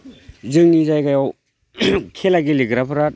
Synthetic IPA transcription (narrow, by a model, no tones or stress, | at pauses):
zɯŋnizajkajaw | kʰelaɡiliɡɾapʰɯɾat̚